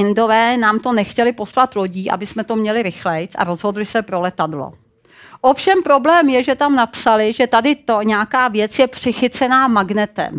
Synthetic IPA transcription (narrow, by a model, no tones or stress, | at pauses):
ɪndo̞vɛːnaːmt̪o̞nɛxcɛlɪpo̞slat̪lo̞ɟiːʔa̰bɪsmɛt̪o̞mɲɛlɪɾɪxlɛjt͡sa̰ɾo̞zɦo̞dlɪsɛpɾo̞lɛt̪adlo̰ | ʔo̞fʃɛmpɾo̞blɛːmjɛʒɛt̪amnapsalɪʒɛt̪adɪt̪oɲɛakaːvjɛt͡sjɛpr̥ɪxɪt͡sɛnaːmaɡnɛt̪ɛ̰m